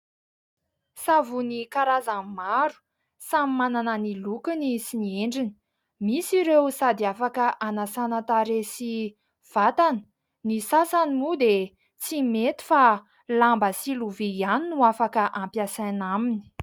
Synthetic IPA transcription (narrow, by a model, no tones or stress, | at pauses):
savunikaɾazammaɾu̥ | samimanananilukunisinieɳɖ͡ʐini̥ | misiɾewsad̪iafakəʔanasanat̪aɾesi | v̥at̪anə̥ | nisasanimud̪e | t͡simet̪i̥fa | lambəsiluviianinuafakəʔampjasanamini̥